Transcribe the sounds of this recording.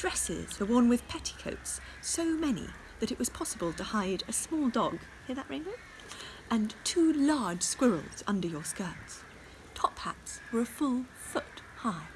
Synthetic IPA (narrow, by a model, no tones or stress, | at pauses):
d̥ɹɛsɪ̰z̥ə˞wɔɹnwɨð̥pʰɛɾi̥kʰoʊts | oʊmɛnḭ | ðɨɾɨʔwʌz̥pʰɑsəbəlˠtʰɨhaɪɾɨsmɔlˠdɔɡ | hɪɹðəʔ̚ɹḛ̃nboʊt̚ | ʔɨ̃ntʰulɑɹd̥ʒ̥skwɪɹl̩ˠz̥ʌ̃ndə˞jə˞skɜ˞ts | tʰɑphæ̰tswə˞ɨfʊlˠ | fʊt | haɪd̥